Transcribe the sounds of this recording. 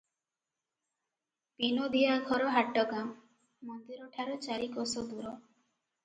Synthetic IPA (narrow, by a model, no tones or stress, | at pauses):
pinɔd̪ijaɡʱɔɾɔɦaʈɔɡamː | ɔnd̪iɾɔʈʰaɾɔt͡ʃaɾikɔsɔd̪uɾɔ